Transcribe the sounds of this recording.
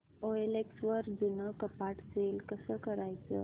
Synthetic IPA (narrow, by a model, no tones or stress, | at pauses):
oeleksʋəɾd͡zunəkəpaʈselkəsəkəɾajt͡sə̰